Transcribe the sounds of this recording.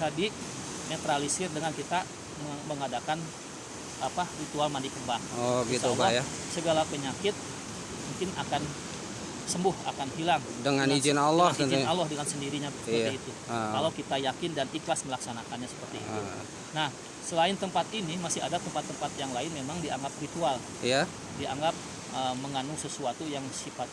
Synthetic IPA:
adi | net̪ɾalisɪrdəŋankit̪a | məməŋadakan | aparit̪ualmandikəmbaŋoɡiit̪aukaja | səɡalapəɲakɪt̪̚ | muŋkɪna̰kan | səmbʊha̰kanɦilaŋdəŋanid͡ʒɪnalɔh̪əd͡ʒinalːɔhdəŋansəndiɾiɲasəpəriit̪u | kalawkit̪ajakɪndaniklasməlaksanakanɲasə̥pərt̪ḭːu | nah | səlaɪnt̪əmpat̪inimasɪɦadat̪əmpat̪ːəmpat̪̚jaŋlaɪnmemaŋdiaŋɡap̚rit̪ual | ja | dia̰ŋɡap̚ | ʔəməŋanusəsuat̪ujaŋsifat̪̚

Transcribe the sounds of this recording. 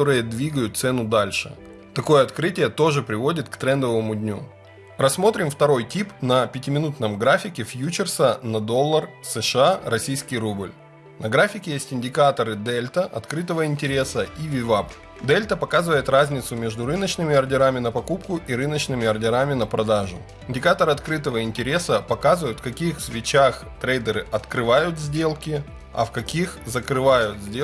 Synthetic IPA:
oɾɨjəd̪vʲiɡəjʊt̪̚t̪sɛnʊd̪alʲʂɨ̰ | t̪ɐko̞jəɐt̪kɾɨtʲɪjət̪o̞ʐɨpɾʲɪvo̞dʲɪt̪kt̪ɾɛnd̪əvəmʊdʲnʲu | rɐsːmo̞t̪ɾʲɪmft̪ɐɾo̞jtʲipnəpʲɪtʲɪmʲɪnut̪nəmɡɾafʲɪkʲɪfjut͡ɕɪrsənɐd̪o̞lˠːərsɨʂɨarɐsʲijskʲɪjɾublʲ | nʔɐɡɾafʲɪkʲɪjesʲtʲɪnʲdʲɪkat̪əɾɨd̪ɛlʲt̪əʔɐt̪kɾɨt̪əvəɪnʲtʲɪɾʲe̞səʔivʲɪvap | d̪ɛlʲt̪əpɐkazɨvəjɪt̪razʲnʲɪt̪sʊmʲe̞ʐd̪ʊɾɨnət͡ɕnɨmʲɪɐrdʲɪɾamʲɪnəpɐkup̚kʊʔiɾɨnət͡ɕnɨmʲɪɐrdʲɪɾamʲɪnəpɾɐd̪aʐʊ̰ | ɪnʲdʲɪkat̪əɾɨɐt̪kɾɨt̪əvəɪnʲtʲɪɾʲe̞səpɐkazɨvəjʊt̪fkɐkʲixsvʲɪt͡ɕax | t̪ɾejd̪əɾɨʔɐt̪kɾɨvajʊt̪zʲdʲe̞lˠkʲɪ | ɐ̰fkɐkʲixzəkɾɨvajʊt̪zʲdʲe

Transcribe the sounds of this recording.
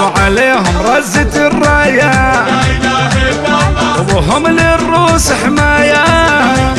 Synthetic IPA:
ʕaleːɦʊmɾˤɑzːɪt̪ɪrˤːɑːja | wɦʊmlɪrːuːsħɪmaːja

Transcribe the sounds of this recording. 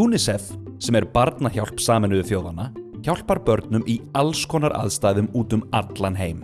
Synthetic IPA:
uːnɪsɛfsɛmɛɾpaɾt̪naçawl̥psaːmɪnʏðʏfjoːwðanːaçawl̥paɾpœɾt̪nʏmʔialskʰɔːnaɾa̰ðst̪aːjðʏmuːt̪ʏmat̪lanɦeːjm

